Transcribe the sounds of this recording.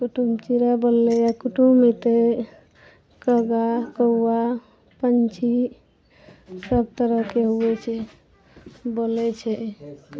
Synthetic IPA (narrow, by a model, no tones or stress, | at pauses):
kuʈumt͡ʃiɾabolːɛjakuʈumit̪e | kəɡakəua | pənt͡ʃʰi | ssəb̚t̪əɾəkeɦuɛt͡ʃʰɛ | bolɛt͡ʃʰɛ